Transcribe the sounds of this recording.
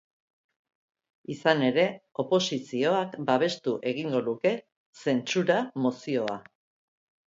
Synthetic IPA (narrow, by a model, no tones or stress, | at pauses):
isane̞ɾe̞o̞po̞sisio̞akbaβ̞e̞st̪uʔe̞ɣ̞iŋɡo̞nuke̞ | se̞nt͡suɾamosio̞a